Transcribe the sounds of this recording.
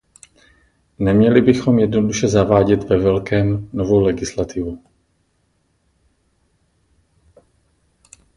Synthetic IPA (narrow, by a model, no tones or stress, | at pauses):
nɛmɲɛlɪbɪxo̞mjɛdnoduʃɛzavaːɟɛt̪vɛvɛlkɛːmnovo̞wlɛɡɪslat̪ɪvu